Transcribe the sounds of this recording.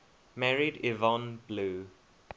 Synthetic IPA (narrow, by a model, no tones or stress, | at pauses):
mɛɹidivɔ̃nbluː